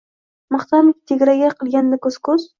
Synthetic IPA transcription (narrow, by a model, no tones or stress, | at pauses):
maχt̪ʰɑmɪkʲt̪ʰeɡʲɾaɡʲaqʰɨlˠɡʲand̪akɵz̥kʰɵz̥